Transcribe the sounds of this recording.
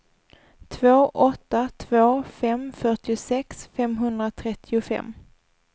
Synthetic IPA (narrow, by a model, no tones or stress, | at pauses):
t̪ʰvoːʔɔt̪ːat̪ʰvoːfɛmfœʈɪʊsɛksfɛmɦɵnd̪ɾat̪ʰɾɛt̪ʰːɪʊfɛ̰mː